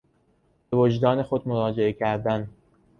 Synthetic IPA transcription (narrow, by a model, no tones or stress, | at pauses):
b̥evod͡ʒd̪ɒːne̞xo̞d̪moɾɒːd͡ʒe̞ecʰæɾd̪æn